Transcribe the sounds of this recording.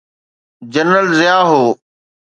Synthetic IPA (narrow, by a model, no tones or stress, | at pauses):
d͡ʑənəlzɪjaːɦoː